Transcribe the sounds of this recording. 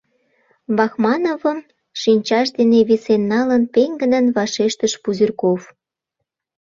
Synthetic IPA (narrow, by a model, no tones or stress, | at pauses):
βɑxmɑnovəm | ʃinʲt͡ɕɑʃd̪eneβisenːɑlənpeŋɡə̆nə̆nβɑʃeʃt̪əʃpuzirkof